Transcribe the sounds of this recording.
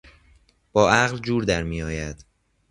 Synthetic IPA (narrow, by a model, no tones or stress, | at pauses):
b̥ɒːʔæɣld͡ʒuːɾd̪æɾmiːjɒːjæd̪̥